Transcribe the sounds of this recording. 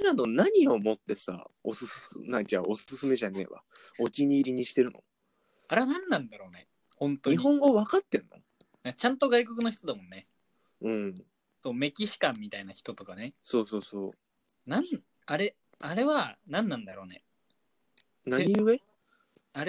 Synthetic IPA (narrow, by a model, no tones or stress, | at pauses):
ɾanonaɲ̟io̞mo̞t̪ːe̞sa̰o̞sɨsnãd͡ʑa̰o̞sɨ̥sɨsɨme̞ʑane̞̰ːβa̰ | okʲiɲ̟iːɾʲiɲ̟iɕi̥t̪e̞ɾɯ̟no̞̰ | aɾe̞βanãnːãnd̪aɾo̞ːne̞ | hõ̞nt̪oɲiɦɦõ̞ŋɡo̞βakat̪ːẽ̞nːo̞̰ | d̪at͡ɕãnt̪o̞ɡaiko̞kɯ̟no̞çi̥t̪od̪amõ̞nːe̞ | ɯ̟̃ːɴ | so̞ːme̞kʲiɕi̥kãmʲːit̪ainaçi̥t̪o̞t̪o̞kane̞so̞ːso̞ːsoː | nãn | aɾe̞ | aɾe̞βanãnːãnd̪aɾo̞ːne̞ | naeɲiɯe | a